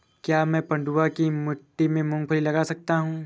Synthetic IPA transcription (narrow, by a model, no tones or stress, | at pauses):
kjaːmɛ̃ːpɐ̃ɳɖuakimʊʈːimẽmʊ̃ŋɡpʰɐɾilɐɡasɐk̚t̪aɦũː